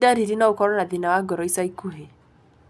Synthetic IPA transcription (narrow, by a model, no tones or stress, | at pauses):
daɾiɾinaokɔɾɔnaðinawaɡɔɾɔisaikuɦe